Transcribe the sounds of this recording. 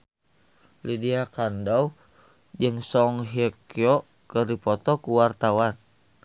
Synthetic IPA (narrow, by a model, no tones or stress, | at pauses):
lidiakandau | d͡ʒɨŋsɔŋɦɛkiɔ | kərdipɔt̪ɔkuwart̪awan